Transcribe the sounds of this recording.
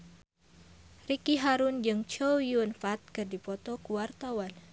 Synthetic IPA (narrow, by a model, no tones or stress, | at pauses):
rikiɦaɾund͡ʒɨŋt͡ʃowjuənfat̪̚kɨrdipɔt̪ɔkuwart̪awan